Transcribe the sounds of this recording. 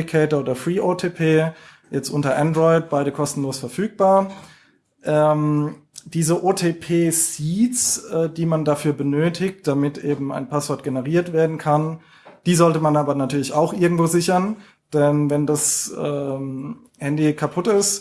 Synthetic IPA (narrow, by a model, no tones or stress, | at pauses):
kʰɛːtɐoːdɐfʁ̥iːʔoːtʰeːpʰeː | jɛt͡stʔʊntɐʔɛndʁɔɪt̚b̥aɪɾəkʰɔstn̩loːsfɛɐfyːk̚b̥aːɐ | ʔɛːm | d̥iːzəʔoːtʰeːpʰeːsiːt͡sɛːdiːmandafyːɐbənøːtʰɪk̚t̚d̥amɪtʔeːbm̩a̰ɪnpʰasv̥ɔɐt̚ɡ̥enəʁiːɐtv̥eːɐdn̩kʰan | d̥iːzɔltəmanaːbɐnatʰyːɐlɪçaʊxʔɪɐɡŋ̩tv̥oːzɪçɐn | d̥ɛnvɛndasʔɛːm | hɛndikʰapʰʊtɪst